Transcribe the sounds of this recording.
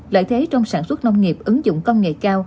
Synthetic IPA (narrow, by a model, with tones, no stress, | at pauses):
la̰ː˧˨jt̪ʰe˨˦t͡ɕɔ˧wŋ͡msaː˧˩nswə˦˥t̚na˧wŋ͡mnŋi˨˩əp̚ʔɨ˨˦ŋzʊ̰˧˨ŋ͡mkə˧wŋ͡mŋḛ˧˨kaː˧w